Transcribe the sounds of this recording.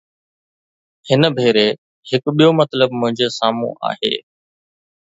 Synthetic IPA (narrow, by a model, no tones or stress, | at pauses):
hɪnəbʱeːɾe | hɪkɓijomɐt̪ləbmʊ̃ɦɪ̃ɲd͡ʑosaːmṵ̃ʔa̰ːɦḛː